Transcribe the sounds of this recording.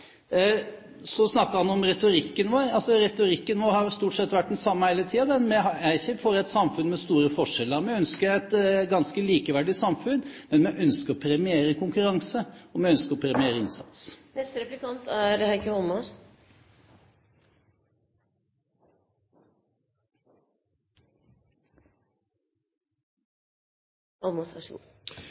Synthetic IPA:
sɔsnɑkːəɾhɑnɔmɾɛt̪ʊɾɪkːənʋoːɾɑlsɔɾɛt̪ʊɾɪkːənʋoːɾhɑst̪uːʈsɛt̪ːʋæʈd̪ɛnsɑmːəheɪlət̪ʰiːɑd̪ɛnmɛɑæɪçəfɔɾɛt̪sɑmfʉnmɛst̪uːɾəfɔʂɛlːəɾmɛœnskəɾæɪt̪ɡɑnskəliːkəʋæɖɪsɑmfʉnmɛnmɛʔœnskəɾɔpʰɾɛmɪeːɾəkʰʊŋkʉɾɑŋsəɔmɛœnskəɾɔpʰɾɛmɪeːɾəɪnsɑ̰t̪snɛst̪əɾɛpləkɑnt̪ʰæɾhæɪkəhɔlmɑs | ɑlmʊst̪ɾɑʂṵː

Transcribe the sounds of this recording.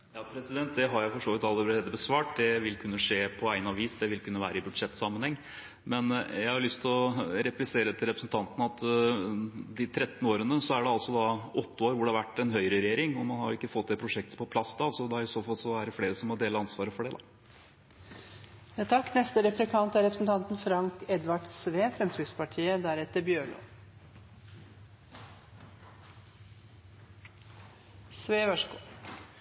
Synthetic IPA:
jɑːpʰɾɛsɪd̪ɛnt̪̚d̪ɛɦɑɾjæfɔʂoːʋɪt̪ɑləɾɛeːd̪ːəbəsʋɑːʈd̪ɛʋɪlkʰʉnːəʂeːpʰɔæɪnɑʋiːsd̪ɛʋɪlkʉnːəʋæ̰ːɾəɪbʉd̪ʂɛt̪ːsɑmːənhɛŋː | mɛnjæɪhɑʊlʏst̪ʰlɔɾɛplɪseːɾət̪ɪlɾɛpɾəsn̩t̪ʰɑnt̪ənəɑt̪ | d̪ɪt̪ʰɾɛt̪ːn̩oːɾənəsɔæɖɛɑlsɔd̪ɑʔɔt̪ːəoːɾʋʊɖɛhɑʋæʈːɛnɦœʏɾəɾɛjeːɾɪŋɔmɑnhɑɾjʊɪkːəfɔt̪ːd̪ɛpʰɾʊʂɛk̚t̪ə̥pʰɔpʰlɑsd̪ɑsɔd̪ɛæɾɪsoːfɑlsɔæɖɛfleːɾəsɔmːɔd̪eːləɑnsʋɑːɾəfɔɖɛd̪ɑ̰ | jɑt̪ʰɑkːnɛst̪əɾɛpɾɪkʰɑnt̪æɾɛpɾəsn̩t̪ʰɑnt̪nfɾɑŋkɛd̪ʋɑʈsʋeːfɾɛmsʏːɡspɑʈʰiːəd̪æɾɛt̪ːəbjøːɭo̰ː | sʋeːʋɑʂɡṵː

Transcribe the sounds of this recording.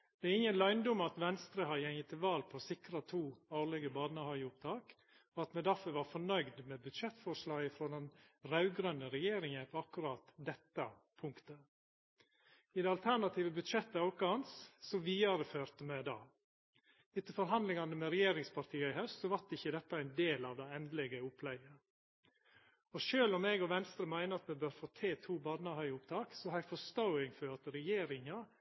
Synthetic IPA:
d̪̥ɛæɾɪŋːənlɑɪnd̪ʊmɑt̪ʋɛnst̪ɾəhɑd̪jɛŋːət̪ʰːɪlʋɑːlpʰɔsɪkɾɑt̪ʰuːoːɭɛɡəbɑːd̪nɑhɑəʊp̚t̪ʰɑːk | ɔɑt̪mɛd̪æfœɾʋɑɾfɔɳœʏɡd̪mɛbʉd̪ʃɛt̪ːfɔʂlɑːɡɪfɾoːd̪ɛnɾɑʉɡɾœnːəɾɛjeːɾɪŋənpʰɔɑkːʉɾɑːt̪d̪ɛt̪ːɑ | pʰʊŋkt̪ə | ɪd̪ɛɑlt̪ʰæɳɑt̪ʰiːʋəbʉd̪ʂɛt̪ːəɑʊkɑɑnssɔʋiːɑɾəføːɾt̪əmɛd̪ɑ̰ː | ʉt̪əfɔɾɦɑnd̪lɪŋɑnəmɛɾɛjeːɾɪŋspʰɑɾt̪ʰiːəɪhœst̪sɔʋɑʈ̪ɪçːəd̪ɛt̪ːɑæɪnd̪eːlɑːʋd̪æɪɛnd̪lɛɡəʊpʰlɛɪɡə | ɔʃøːlɔmɛɡɔʋɛnst̪ɾəmæɪnəɑt̪mɛbøːɾfoːt̪ʰeːt̪ʰuːbɑd̪nɑhœʏʊpt̪ʰɑːksɔhɑɾɛɡfɔst̪ɔʊɪŋfɔɾɑt̪ɾɛjeːɾɪŋɑ

